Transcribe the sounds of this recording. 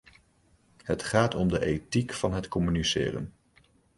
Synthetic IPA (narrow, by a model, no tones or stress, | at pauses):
hətχaːtʰɔmdəʔejtikfɑnɦətkɔmynisɪ̰ːrə̰n